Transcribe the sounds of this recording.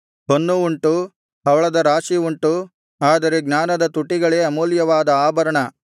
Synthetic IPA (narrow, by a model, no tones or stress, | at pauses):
ɦonːuuɳʈu | ɐʋɐɭɐd̪ɐɾaːʃiuɳʈu | aːd̪ɐɾeɡnaːnɐd̪ɐt̪uʈːiɡɐɭe̞ːɐmuːljɐʋaːd̪ɐaːbɐɾɐɳɐ